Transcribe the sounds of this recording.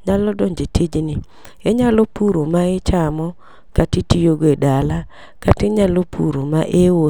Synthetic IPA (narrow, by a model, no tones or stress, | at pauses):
ɲalɔdɔɲd͡ʒetʰid͡ʒni | eɲalopuɾomaɪt͡ʃamɔ | katitijoɡedala | katɪɲalopʰṵɾomaʔewo